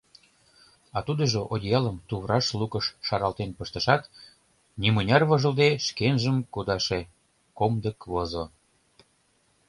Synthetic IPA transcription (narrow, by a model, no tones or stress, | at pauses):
ɑt̪ud̪əʒoʔod̪ʲijɑləmt̪uβrɑʃlukəʃʃɑɾɑlt̪enpəʃt̪ə̆ʃɑt̪ | nimənʲɑrβɤʒə̆ld̪eʃkenʒəmkud̪ɑʃe | komd̪əkβozo